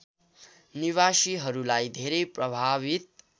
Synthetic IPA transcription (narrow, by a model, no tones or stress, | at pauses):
niβasiɦʌɾulajd̪ʱeɾeprʌbʱaβit̪̚